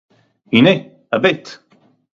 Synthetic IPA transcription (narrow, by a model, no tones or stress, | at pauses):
ine | əbɪt̪